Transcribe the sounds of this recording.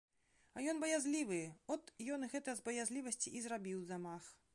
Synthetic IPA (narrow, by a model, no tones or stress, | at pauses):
ɐjɔnbɐjazʲlʲivɨɔt̪jɔnɨɣɛt̪ɐjɐzbɐjazʲlʲivɐsʲt͡sʲiʔizrabʲiwzamax